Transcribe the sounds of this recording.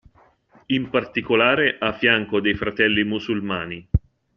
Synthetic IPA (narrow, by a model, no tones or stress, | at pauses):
impart̪ikolaːɾeʔafːjaŋkod̪ejfɾat̪ɛlːimusulmaːni